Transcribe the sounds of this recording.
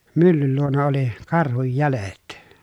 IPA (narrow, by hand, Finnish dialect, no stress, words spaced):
mylːyl luonɑ oli kɑrhuj jælet